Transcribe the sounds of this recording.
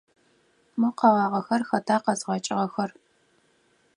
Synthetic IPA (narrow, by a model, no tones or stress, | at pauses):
muqɐʁɑːʁɐxɐrxɐtʰaːqɐzʁɐt͡ʃʼɪʁɐxɐr